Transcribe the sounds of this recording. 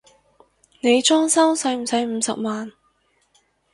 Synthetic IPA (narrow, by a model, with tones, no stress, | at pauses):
ne˨˧jt͡ʃɔː˥ŋsɐ˥wsɐ˨˥jm̩˨˩sɐ˨˥jm̩ː˨˧sɐ˨k̚maː˨n